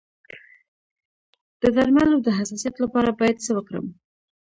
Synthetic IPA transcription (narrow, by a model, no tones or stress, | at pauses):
d̪̥əd̪aɾmalawd̪əɦasɑsijɑt̪lapɑɾabɑjad̪səwəkɾə̰m